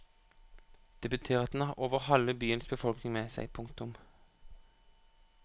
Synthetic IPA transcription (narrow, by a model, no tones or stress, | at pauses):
d̪̥ɛbət̪ʰeːʁɑt̪̚d̪n̩ɑːʁʔoːʋəʁhɑləbyːənsbəfɔlknɪŋmeːsæ̰ɪpʰʊŋkt̪ʊm